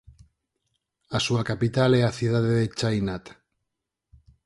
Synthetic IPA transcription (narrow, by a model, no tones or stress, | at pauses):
asuakapit̪alɛaθiðaðeðet͡ʃajnat̪